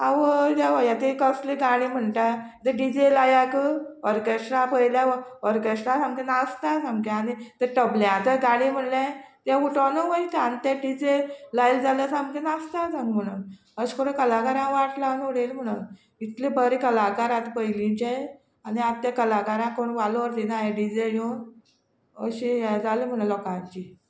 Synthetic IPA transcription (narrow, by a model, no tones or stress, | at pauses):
aʋədaʋəjat̪ekəsleɡaɽ̃im̤əɳʈa | t̪əɖid͡ʑelajakəəɾkeʂʈɾãpəɦjljaɔɾkeʂʈɾãsamkenast̪asãmkeanit̪əʈəbljãt̪əɡaɽ̃im̤əɳljãt̪jãuʈanoʋəit̪ant̪aɖid͡ʑelajld͡zaləsamkenast̪asãŋɡm̤əɽ̃un | əɕkoɾẽkəlakaɾãʋaʈlaʋnuɽelm̤əɽ̃un | it̪lebəɾikəlakaɾãt̪pəɦilĩɲt͡ɕa | aniat̪ːjakəlakaɾãkoɳʋaloʋəɾd̪inajeɖid͡zejõ | əɕijad͡zalem̤əɽ̃alɔkãɲt͡ɕi